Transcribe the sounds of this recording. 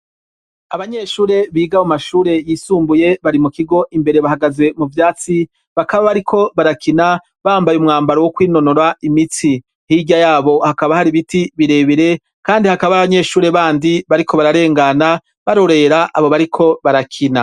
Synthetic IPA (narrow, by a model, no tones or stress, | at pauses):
aβaɲe̞ʃuːɾe̞βiːɡamumaʃuːɾe̞jiːsuːmbuje̞βaɾimukiɡo̞ʔimbe̞ɾe̞βahaɡaze̞muvjaːt͡si | βakaβaβaɾikʰo̞βaɾakʰina | βaːmbajumŋaːmbaɾowokwiːno̞noɾaimit͡si | hiɟajaːβo̞hakaβahaɾiβitiβiɾe̞βiɾe̞ | kaːndihakaβaβaɲe̞ʃuːɾe̞βaːndiβaɾikʰo̞βaɾaɾe̞ːŋɡana | βaɾo̞ɾe̞ɾaʔa̰βo̞βaɾikʰo̞βaɾakʰina